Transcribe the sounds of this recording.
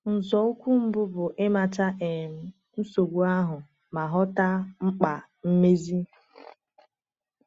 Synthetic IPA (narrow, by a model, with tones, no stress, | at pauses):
n̩˨zɔ˨ʊ˦kʷu˦m̩˦bʊ˦bʊ˨ʔɪ˦ma˨t͡ʃa˦ʔe˨m̩˨˦ | n̩˦so˨ɡʷu˦a˦ɦʊ˨ | ma˨ɦɔ˦ta˦ŋ͡m̩˦k͡pa˨ | m̩˦me˦zi˦